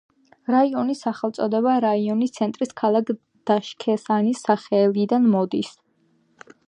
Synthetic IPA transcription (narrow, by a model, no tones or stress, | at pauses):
ɾaiɔnisaχɛlt̪sʼɔd̪ɛβaɾaiɔnist̪sʰɛnt̪ʼɾiskʰalˠakʰ | d̪̥aʃkʰɛsanisːaχɛlid̪anmɔd̪is